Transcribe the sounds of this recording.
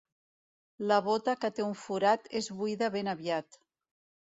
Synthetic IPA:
ləβ̞ot̪əkət̪euɱfuɾat̪ezβuiðəβenəβjat̪

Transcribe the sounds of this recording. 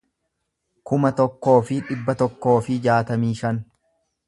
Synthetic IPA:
kʊmɐt̪ɔkːo̞ːfɪᶑɪbːɐt̪ɔkːo̞ːfɪd͡ʒaːt̪ɐmiːʃɐn

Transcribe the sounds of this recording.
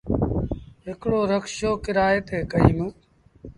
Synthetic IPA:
ɦɪkɽoːɾəkʃoːkɪɾaːeːt̪ʰeːkəɦiːmũː

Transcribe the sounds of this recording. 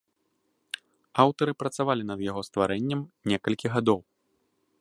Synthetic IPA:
awt̪ɐɾɨpɾɐt̪savalʲinɐd̪jaɣɔst̪vaɾɛnʲːɛmnʲɛkɐlʲkʲiɣad̪ɔw

